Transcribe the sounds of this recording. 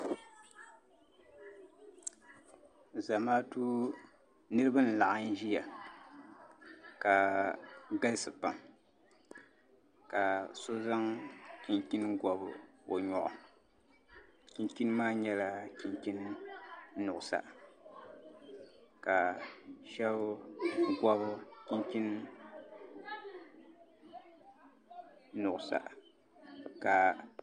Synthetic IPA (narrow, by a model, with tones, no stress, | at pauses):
za˨maː˦tu˦ | nɨ˦ɾɨ˦ba˦n̩˨la˨ʔa˦n˦ʒi˦ja˨ | ka˨ | ɡa˦lsɨ˨pa˨m | ka˨so˦za˦ŋki˨nki˦n˦ɡɔ˨bɨ˨o˨ɲɔ˨ʔʊ̰˨ | ki˨nki˦n˦maː˦ɲɛ˦la˦ki˨nki˦n | nʊ˨ʔʊ˨sa̰˨ | ka˨ʃɛ˦βɡʷa˦bʊ˦ki˦nki˦n | nʊ˨ʔʊ˨sa̰˨ | ka˨